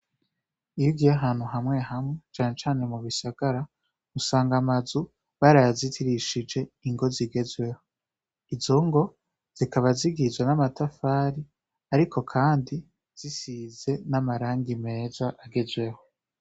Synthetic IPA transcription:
ijiɡiaɦaːn̥huɦamŋeɦamŋe̞t͡ʃaːne̞t͡ʃaːne̞muβisaɡaɾa | musaːŋɡamazu | βaɾajazitʰiɾiʃid͡ʒe̞iŋɡo̞ziɡe̞zwe̞ho̞ | izo̞ŋɡo̞ | z̥ikaβaziɡizɡwenamatafaːɾi | aɾikʰo̞kʰaːndi | z̥isize̞namaɾaːŋɡime̞ːzaʔaɡe̞zwe̞ho̞

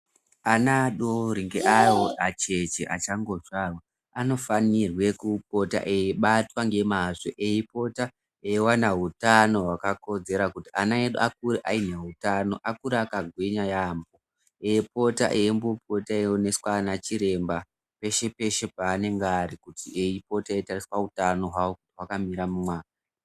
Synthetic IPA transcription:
anaɗoɾiŋɡeʔawoʔat͡ʃe̞t͡ʃeʔat͡ʃaŋɡoʐarwa | ano̞fanirwe̞kup̚o̞ta̰ʔeiɓatwaŋɡe̞maʐo̰ʔeipo̞ta | ewanaɦutano̞ɦwakako̞d͡ze̞ɾakutiʔanaeɗuak̚uɾiʔaineɦutano̞̰ʔakuɾeakaɡʱweɲajaːmbo | epo̞ta̰ʔeimbop̚o̞taeone̞swanat͡ʃiɾe̞mba | pe̞ʃe̞pe̞ʃe̞paːne̞ŋɡaːɾikutiʔeipo̞taeitariswaɦutano̞ɦwawo̞kutiwakamiɾamumwaːka

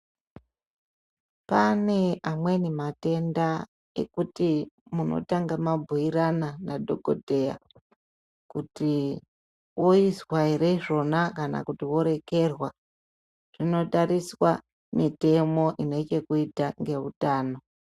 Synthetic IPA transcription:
pane̞amwe̞nemate̞nda | e̞̰kutimuno̰taŋɡamabʱuiɾananadʱo̞ɡo̞̰dʱe̞ja̰ | kuti | woiswaeɾe̞ʐo̞nakana̰kutiwo̞ɾe̞ke̞rwa | ʐ̥ino̞taɾiswa | mite̞mo̞ʔine̞t͡ʃe̞kuitaŋɡe̞utaːno̞

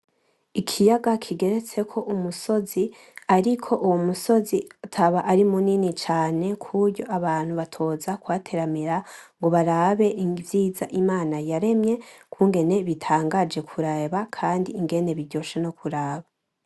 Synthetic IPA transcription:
ikʰijaɡakʰiɡe̞ɾe̞t͡se̞kʰo̞ʔumuso̞zi | aɾikʰo̞ʔuwomuso̞ziatʰaβaʔaɾimuninit͡ʃaːne̞kʰuɾjo̞ʔaβaːn̥huβatʰo̞ːzakwaːtʰe̞ɾamiɾaŋɡo̞βaɾaːβe̞ʔivjiːzaʔimaːnajaɾe̞mje̞kuːŋɡe̞ne̞βitʰaːŋɡad͡ʒe̞kʰuɾaβakʰaːndiːŋɡe̞ne̞βiɟo̞ʃeno̞kʰuɾaːβa

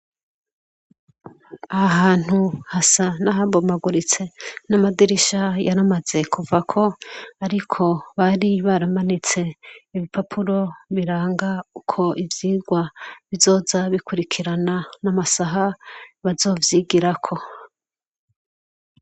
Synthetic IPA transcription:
ahaɦaːn̥huhasanaɦabomaɡuɾit͡se̞namadiɾiʃajaɾamaze̞kʰuvakʰo̞aɾikʰo̞βaɾiβaɾamanit͡se̞iβipapʰuɾo̞βiɾaːŋɡaukʰo̞ʔivjiːɡwaβizo̞ːzaβikuɾikʰiɾananamasaɦaβazo̞ːvjiːɡiɾakʰo̞

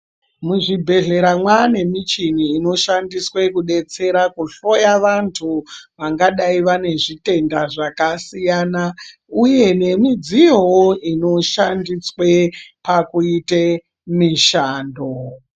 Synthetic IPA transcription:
muʐibʱe̞ɮe̞ɾamwane̞mit͡ʃiniːno̞ʃandiswe̞kuɗe̞t͡se̞ɾakuɬo̞jaʋantʰuʋaŋɡaɗaiʋane̞ʐite̞ndaʐakasijaːna | uje̞ne̞mid͡zijowoʔino̞ʃandiswe̞pakuite | miʃaːndo

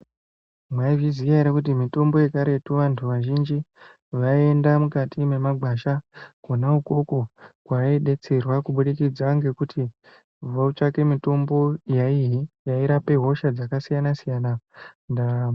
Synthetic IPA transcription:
mwaivizijaeɾekutimito̞mbo̞je̞kaɾe̞tuʋantʰuʋaʒind͡ʒi | ʋae̞ndamukatʰime̞maɡ͡bʱaʃakonauko̞kokwaiɗe̞t͡se̞rwakuɓuɗikid͡zaŋɡe̞kutʰi | vaut͡ʃake̞mito̞mbo̞jaiɦijaiɾape̞ɦo̞ʃad͡zakasijanasijaːnanda

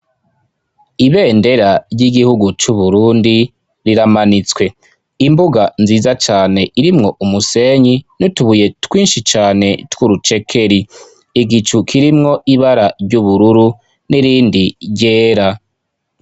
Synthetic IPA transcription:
iβe̞ːnde̞ɾaɾɟiɡihuɡut͡ʃuβuɾuːndi | ɾiɾamanit͡swe̞ | imbuɡanziːzat͡ʃaːne̞iɾimŋo̞ʔumuse̞ɲinutuβuje̞twiːnʃit͡ʃaːne̞twuɾut͡ʃe̞kʰe̞ɾi | iɡit͡ʃukʰiɾimŋo̞ʔiβaɾaɾɟuβuɾuɾu | niɾiːndiɾɟe̞ːɾa

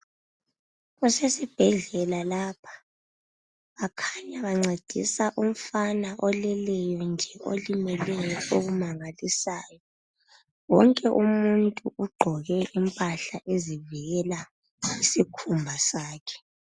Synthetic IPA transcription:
ɣusesib̥ʱɛɮɛlalaːpʰḁ | βakʰaɲaβaŋ͡ǀed̥ʱḭsaʔum̩fanaʔɔlɛlɛjɔnd͡ʒʱɛʔo̰limɛlɛjɔʔoɣumaŋalisaːjɔ | wɔŋkʼɛʔumuntʼuʔuɡ͡ǃʱɔɣɛʔimpʼaɬaʔezivɛla | isikʰumbʱasaːkʰɛ̥

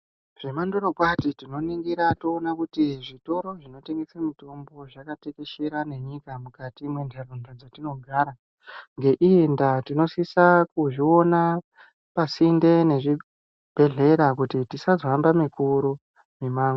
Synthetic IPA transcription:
ʐ̥emandoɾokwatitino̞niŋɡiɾatoːnakutiʐito̞ɾo̞ʐino̞te̞ŋɡe̞samito̞mbo̞ʐakate̞ke̞ʃeɾane̞ɲikamukatimwe̞ndʱerondod͡zatino̞ɡʱaɾa | ŋɡe̞ʔijendatino̞sisakuʐio̞na | pasinde̞ne̞ʐi | b̥ʱe̞ɮe̞ɾakutitisazoambamikuɾu | mimaːŋo

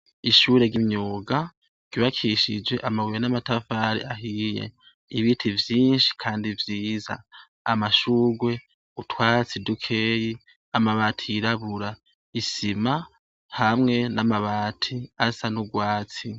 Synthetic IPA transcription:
iʃuːɾe̞ɡimɲuːɡa | ɡ̥iβakʰiʃid͡ʒwe̞ʔamawuenamatafaɾḭʔaɦijḛ | iβitʰivjiːnʃi̥kʰaːndivjiːza̰ː | maʃuːɡwe̞ | utwaːt͡sidukʰe̞ːji | amaβaːtʰiiɾaβuɾa | isima | hamŋe̞namaβaːtʰiasanuɡwaːt͡si

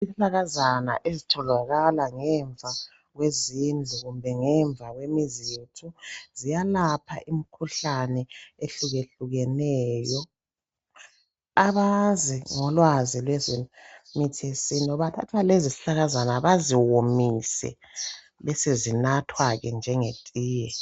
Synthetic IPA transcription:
isiɬaɣazana̰ʔezitʰɔlaɣalaŋɛɱb̪vʱa | ɣwezind͡ɮʱuɣumbʱɛŋɛɱb̪vʱaɣwemizitʰuzijalapʰa̰ʔimikʰuɬanɛeɬuɣeɬuɣɛnɛːjɔ | aβaziŋɔlwazilwɛzimitʰesiniɔβatʰa̰tʰwalezisi̥ɬaɣazanaβaziwomisɛ̰ | βɛsezinatʰwaɣɛnd͡ʒʱɛŋetʼiːjɛ

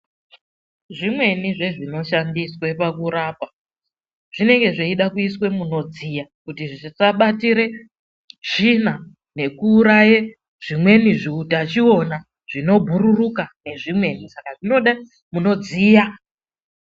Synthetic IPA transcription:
ʐimwe̞niʐe̞ʐino̞ʃandiswe̞pakuɾaːpa | ʐ̥ine̞ŋɡe̞ʐeiɗakuiswe̞muno̞d͡zijakutiʐiisaɓatiɾe̞ | ʐ̥ina | ne̞kuːɾaje | ʐ̥imwe̞niʐiutat͡ʃio̞na | ʐ̥ino̞bʱuɾurukane̞ʐimwe̞nisakaʐino̞ɗa | muno̞d͡zija

